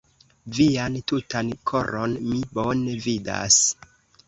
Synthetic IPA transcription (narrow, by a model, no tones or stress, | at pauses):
viantutankʰo̞ɾonmibone̞vida̰s